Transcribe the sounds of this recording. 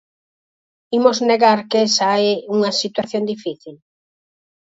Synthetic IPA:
imozneɣaɾkesaeuŋɐsit̪waθjond̪ifiθil

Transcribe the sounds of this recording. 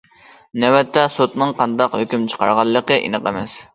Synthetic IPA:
nɛwɛt̪ʰːɛsot̪nɨŋqʰɑnd̪ɑqhøkʲymt͡ʃʰə̥qʰɑ̰ɾʁɑlˠːəqəʔḭnəqəmɛs

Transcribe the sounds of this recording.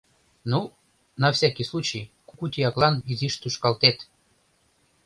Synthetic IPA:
nu | nɑfsʲakʲislˠut͡ɕijkukut̪ʲiɑklˠɑniziʃt̪uʃkɑlt̪et̪

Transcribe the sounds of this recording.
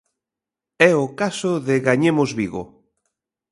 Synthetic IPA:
ɛʊkasoðɪɣaɲemozβiɣo̰

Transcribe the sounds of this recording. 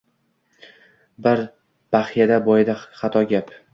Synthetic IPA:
bɪɾ | b̥aχjad̪abɒjɪd̪aχɑt̪ʰɒɡʲap

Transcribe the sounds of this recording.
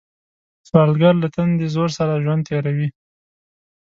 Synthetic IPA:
swɑlɡaɾlat̪and̪ezoɾsaɾaʒwand̪̚t̪ʰeɾawi

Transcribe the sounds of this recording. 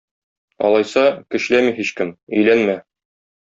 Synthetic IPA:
ɒ̰lˠɑjsɑkɘ̆ɕlæmiɦiɕkɘmɵ̆jlænmæ

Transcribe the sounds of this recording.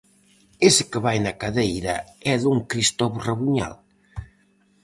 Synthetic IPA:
esɪkəβajnɐkaðejɾɐɛðuŋkɾist̪ɔβuraβuɲa̰l

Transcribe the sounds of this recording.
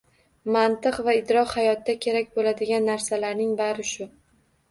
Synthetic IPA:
mant̪ɨqvaɪd̪ɾɒqhajɒt̪ːakʲʰe̞ɾakʲbolad̪ɪɡʲanːaɾsalaɾnɪŋbaɾɪʃʊ

